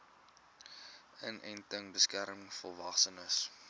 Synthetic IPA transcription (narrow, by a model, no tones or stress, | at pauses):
ənɛ̰jntəŋbəskæɾmmŋfɔlˠvɑχsənəs